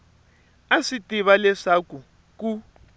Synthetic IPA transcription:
asitʼiβalɛʂaku | ku

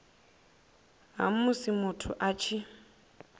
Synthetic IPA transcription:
ɦa̰mʊsimʊtʰʊʔat͡ʃʰi

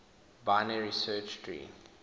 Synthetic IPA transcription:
baɪnəɹisɜt͡ʃdɹḭː

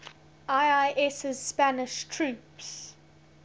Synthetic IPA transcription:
aɪaɪʔɛsɪz̥spænɪʃtʰɹʉːps

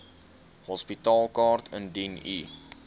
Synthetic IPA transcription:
hɔspitɑːlˠkɑːrtʰəndinḭ

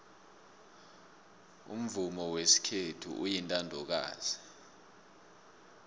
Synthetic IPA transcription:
ṵm̩vumɔwesi̥kʰetʰṵʔujintʼandʱɔk̬a̰ːz̥i

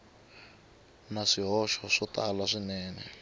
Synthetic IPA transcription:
naʂiɦɔʃɔʂɔtʼalaʂinɛːnɛ

